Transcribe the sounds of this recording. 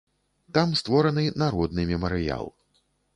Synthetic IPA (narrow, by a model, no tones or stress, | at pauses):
t̪amst̪vɔɾɐnɨnaɾɔd̪nɨmʲɛmɐɾɨja̰lˠ